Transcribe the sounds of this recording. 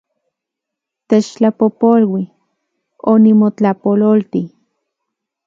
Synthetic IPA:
t̪et͡ʃt͡ɬapopolwi | onimot͡ɬapololt̪i

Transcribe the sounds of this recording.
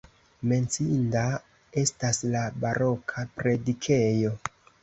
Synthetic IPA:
me̞nt͡sinda | e̞staslabaɾo̞kʰapɾe̞dikʰe̞jo̞

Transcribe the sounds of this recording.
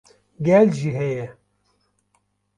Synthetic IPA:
ɡɛlʒiɦɛjɛ

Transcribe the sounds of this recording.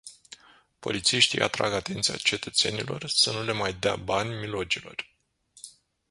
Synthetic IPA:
po̞̰lit̪siʃt̪ijʔa̰t̪ɾa̰ɡat̪e̞nt̪sia̰t͡ʃe̞t̪ət̪se̞nilo̞̰rsənule̞majd̪ea̰banʲmilo̞d͡ʒilo̞̰r

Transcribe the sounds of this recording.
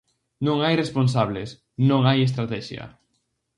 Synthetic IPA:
nõŋajresponsaβles | nõŋajes̬t̪ɾat̪ɛʃjɐ̰

